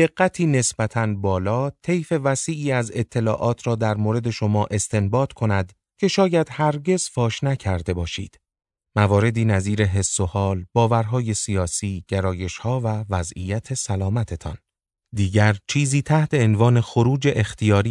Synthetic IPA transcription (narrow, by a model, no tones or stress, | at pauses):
d̪̥e̞ɡːæt̪ʰiːne̞sbæt̪ʰænbɒːlɒːt̪ʰe̞jfe̞væsiːʔiːæze̞t̪ʰːe̞lɒ̰ːʔɒːt̪ʰɾɒːd̪æɾmoːɾe̞d̪e̞ʃo̞mɒːʔe̞st̪e̞mbɒːd̪̥kʰo̞næd̪ | cʰe̞ʃɒːjæd̪̥hæɾɟe̞z̥fɒːʃnæcʰæɾd̪e̞bɒːʃḭːd̪̥ | mævɒːɾe̞d̪iːnæziːɾeɦe̞sːo̞hɒːlb̥ɒːvæɾɦɒːje̞sijɒːsiːɟ̥eɾɒːje̞ʃhɒːvævæzḭjæt̪ʰe̞sælɒːmæt̪ʰe̞t̪ʰɒ̰n | d̪iːɟæɾt͡ʃʰiːziːt̪ʰæht̪ʰe̞ːnvɒːne̞xoɾuːd͡ʒe̞ʔext̪ʰijɒːɾiː